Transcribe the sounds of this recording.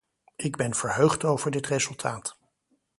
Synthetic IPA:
ɪɡbɛnv̥əɹɦøɥχtowvəɹdɪtrezɵlˠtʰaːt

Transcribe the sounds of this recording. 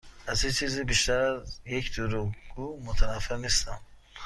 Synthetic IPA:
azit͡ʃʰizibiʃt̪aɾazjekd̪uɾuɡumut̪ʰanafiɾnest̪am

